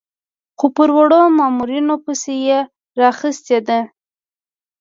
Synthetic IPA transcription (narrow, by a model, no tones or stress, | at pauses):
xopəɾwəɽomɑmuɾinopəseje | ɾɑxəst̪ed̪a